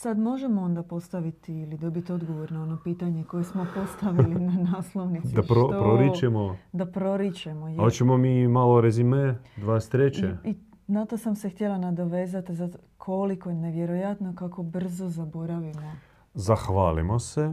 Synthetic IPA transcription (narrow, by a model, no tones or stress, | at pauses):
sad̪mo̞ʒemoo̞nd̪apo̞st̪aʋit̪iːlid̪o̞bit̪io̞d̪ɡo̞ʋo̞ɾnao̞no̞piːt̪aɲe̞ko̞jesmo̞po̞st̪aʋilinanaːslˠo̞ʋnit̪diaʃɾoopɾoɾit͡ʃemod̪apɾo̞ɾit͡ɕemojot͡ʃemomiːmaloɾezimed̪ʋaːest̪ɾet͡ɕei | nat̪o̞samse̞xt̪jelanad̪o̞ʋe̞ːzat̪izat̪o | kʰo̞liko̞ne̞ʋje̞ɾo̞jat̪no̞kako̞br̩zo̞zabo̞ɾaʋimo̞ | zaxʋaːlḭmose